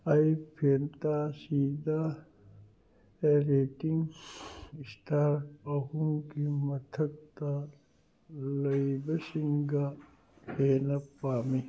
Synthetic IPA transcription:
ajpʰeːnt̪asiːd̪a | eɾeːʈiŋ | isʈaːɾɐɣuŋkimɐt̪ʰɐk̚t̪a | lɐibɐsiŋɡa | pʰeːnɐpaːmi

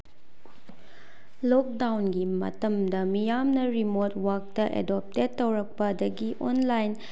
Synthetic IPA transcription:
lok̚dawnɡimɐ̰tɐmdɐmijamnɐɾimot̚wak̚tɐʔḛdop̚ted̚ːɐwɾɐk̚pɐdɐɡiʔonlajn

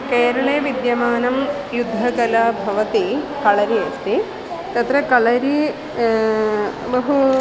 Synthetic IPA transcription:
keːɾɐɭeːʋid̪jɐmaːnɐm | jud̪ʱːɐkɐlaːbʱɐʋɐt̪ikɐɭɐɾiɐst̪ʰi | t̪ɐt̪ɾɐkɐɭɐɾi | bɐɦu

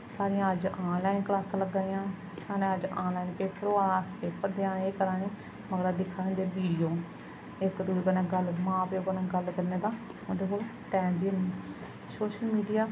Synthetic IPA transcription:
saːɾɪjãːəd͡ʒãːnlaːinkəlaːsãːləɡãːĩjãː | saːnẽːəd͡ʒãːnlaːiːnpeːpəɾoːaaːspeːpəɾd̪eãːeːkəɾãːnũː | məɡəɾad̪ɪkʰːaːẽnd̪eːbiːɖijoː | ɪkd̪uikənãːɡəlmãːpeːoːkənãːɡəlkəɾneːd̪ãː | õnd̪eːkoːlo | ʈɛ̃ːmbiːəni | soːʃəlmiːɖijaː

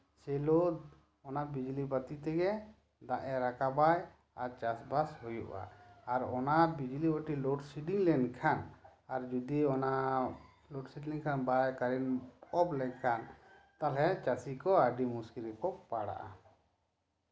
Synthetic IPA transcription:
sɛlod̪ | ɔnaʔbid͡ʒlibat̪it̪ɛɡɛ | d̪aʔɛɾakabaj | aɾt͡ʃasbashujuʔa̰ːɾɔnabid͡ʒliwaʈilɔʈsiɖiŋlɛnkʰanaɾd͡ʒud̪iɔnaʔ | lɔʈsiʈliŋkʰanbajkaɾinɔblɛkʰan | t̪alɛt͡ʃasikɔaɖimuskiɾɛkɔpaɽa̰ʔa̰

